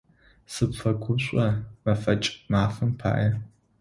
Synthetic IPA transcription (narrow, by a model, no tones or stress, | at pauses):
sɨpfɐɡʷʰʊɕʷʼɐmɐfɐt͡ʃʼmaːfɨmpʰa̰ːʔɐ